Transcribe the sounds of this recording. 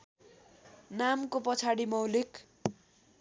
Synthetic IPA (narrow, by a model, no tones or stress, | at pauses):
namkopʌt͡sʰaɽimʌwlik